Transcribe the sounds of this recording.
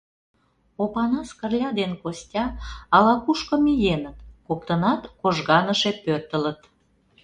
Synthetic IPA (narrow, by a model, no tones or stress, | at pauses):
opɑnɑskərlʲɑd̪enkosʲtʲɑːlɑkuʃkə̆mijenət̪kok̚t̪ənɑt̪koʒɣɑnəʃepørt̪ələt̪